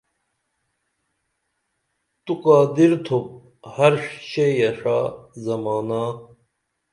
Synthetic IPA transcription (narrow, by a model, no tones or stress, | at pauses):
t̪uqaːd̪iɾt̪ʰop̚ | hɐɾʂɕejɐʂaːzɐmaːna